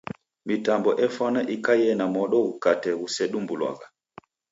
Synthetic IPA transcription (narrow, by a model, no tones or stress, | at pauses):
mitambɔʔɛfwanaʔikajɛnamɔɗɔɣukatɛɣusɛɗumbulwa̰ɣa